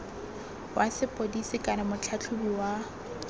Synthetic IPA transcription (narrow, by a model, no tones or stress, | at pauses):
wʔasɪpʼodisikʼanamʊt͡ɬʰat͡ɬʰʊbiwa